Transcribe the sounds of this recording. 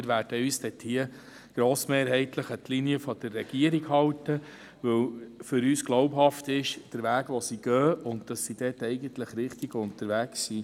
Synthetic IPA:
ɪɾʋæːɾd̥əyːsd̥ɛthiə | ɡ̥ɾoːsmeːɾɦɛɪtləχətliniəfɔd̪̥ərːɛɡ̥iəɾiɡhɑwtə | ʋɵwfʏɾyːsɡ̥lɔʊpɦɑftɪʃd̥əɾʋæːɡʋɔsiɡ̥œːʊntd̥ɑsːid̥ɛːtɛɪɡəntləχɾɪχtiɡʊntəɾʋæːksiː

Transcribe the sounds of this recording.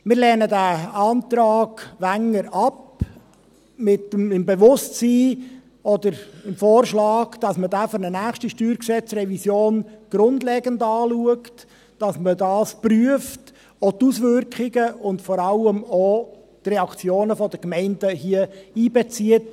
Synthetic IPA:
mɪːɾlɛːnədæɑːntɾɑːɡ̥ʋæŋːəɾɑp | mɪtmɪmbeʋʊstsiː | ɔdəɾɪmfoːɾʃlɑːɡd̥ɑsmədæfɔɾnənæːχʃtiʃtyːɾksɛt͡srɛvisjoːnɡ̥ɾʊndlɛːɡəndɑːluəkt | d̥ɑsmədɑːspryəft | otusʋʏrkχɪɡəʊndfɔɾɑləmo | trɛɑkt͡sjoːnəfɔdəkmɛɪndəhiəiːbɛt͡siət̚

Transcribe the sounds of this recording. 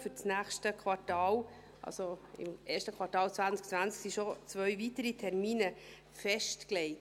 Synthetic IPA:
fʏɾt͡snæːχʃtəkʰʋɑrtɑːl | ʔɑ̰lsoɪ̰mʔeːɾʃtəkʰʋɑɾtɑːlt͡sʋænt͡sk̚t͡sʋænt͡sksiʃɔt͡sʋœɥvitəɾitʰɛɾmiːnə | fɛʃtklɛɪt

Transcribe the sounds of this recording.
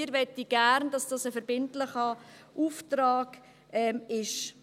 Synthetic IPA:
ɪɾʋɛtiɡ̥æɾndɑsd̥ɑːsəfəɾbɪntlɪχəʔuːftɾɑːɡ̥ | ʔɛmɪʃ

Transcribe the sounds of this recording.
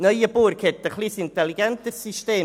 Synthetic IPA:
nəjəbuɾkʰɛtəχlisɪntɛliɡɛnt̪əsisteː

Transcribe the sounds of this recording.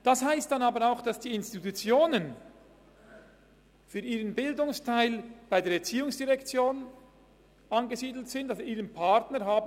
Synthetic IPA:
d̥ɑshaɪstd̥ɑnɑːbəɾaʊxd̥ɑsd̥iːɪnstitut͡sjoːnən | fyːɾiːʁənbɪldʊŋstʰaɪlb̥aɪdeːɾɛt͡siːʊŋsd̥iʁɛkt͡sjoːn | ʔɑnɡəziːdl̩tz̥ɪntasiːʁənpʰɑtnəɾɦaːb

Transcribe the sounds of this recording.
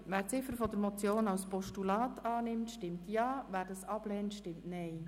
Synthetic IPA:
væːɾt͡sɪfəɾfɔd̪əɾmɔt͡sjoːnɑwspɔʃtulɑːtɑːnɪmtʃtɪmtjɑːvæːɾdɑsɑb̥lɛːntʃtɪmtnɛɪ

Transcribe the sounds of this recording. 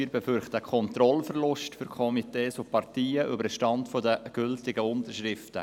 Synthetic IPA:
ɾbɛfʏɾχtəkʰɔntɾɔlfərlʊʃtfʏɾkʰɔmiteːsopʰɑrtiːəʔybəɾʃtɑntfodəɡ̥ʏltɪɡəʊntərʃrɪftə

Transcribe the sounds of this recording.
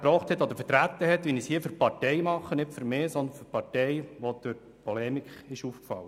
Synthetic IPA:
pɾɔːχt̪hɛt̪ːɔd̪əɾfəɾtɾæt̪ːəɦɛt̪ʋinishiːəføɾpɑɾtɛɪmɑχːənɪtføɾmɪːsɔnd̪ənføɾpɑɾtɛjʋod̪̥øɾ | pʰɔlɛmikɪʃufkfɑ̰lːə

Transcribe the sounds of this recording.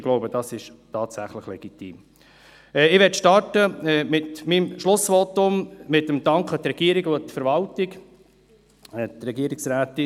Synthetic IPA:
ɡ̥loʊbəd̥ɑsɪʃtɑːtsæχləχlɛɡ̥itḭːm | ɛɪʋɛtʃtɑɾtəɛmɪtmimʃlʊsvotʊmmɪtəmd̥ɑŋkχət̪ɾɛɡ̥iəɾɪɡot̪fəɾvɑltɪk | ɛt̪ɾɛɡiəɾɪksɾaːtɪ

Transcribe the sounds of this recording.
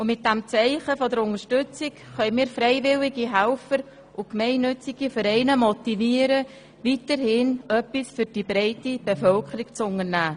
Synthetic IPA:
ʊmɪt̚d̥æmt͡sɛɪχəfɔdəɾʊŋəʃtʏt͡sɪkχœʏmiːɾfɾɛɪvɪlɪɡiɦælfəɾ | ʔʊkmɛɪnːʏt͡sɪɡifəɾɛɪnəmɔtiviːəɾə | vitəɾhɪnœpːisfʏɾd̥ibɾɛɪtib̥efœlkəɾikt͡sʊŋəɾnæː

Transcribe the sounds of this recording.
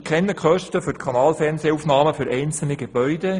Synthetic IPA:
kʰɛnːəkχœʃtəfʏɾtkʰɑnɑːlfɛrnseːufnɑːməfʏɾʔɛɪnt͡sl̩niɡ̥eb̥œʏde

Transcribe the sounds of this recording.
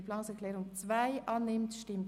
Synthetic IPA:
pflɑːnsɛkʰlɛːʁʊŋt͡svaɪʔɑːnːɪmtʃtɪmt

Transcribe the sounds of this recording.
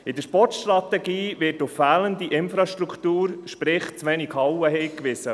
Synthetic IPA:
ɪd̥əʃpɔtʃtɾɑt̪ɛɡiːvɪtʊfːæːləndiʔɪnfɾɑʃtɾukʰt̪uːɾʃpɾɪχt͡sʋɛnikhɑwəhɛɪkʋɪsə

